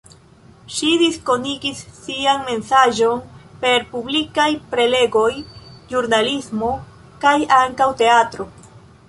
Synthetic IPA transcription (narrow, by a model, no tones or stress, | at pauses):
ʃidisko̞niɡisːianme̞nsaʒo̞npe̞ɾpublikajpɾe̞le̞ɡo̞jʒuɾnalismo̞ | kajaŋkawte̞atɾo̞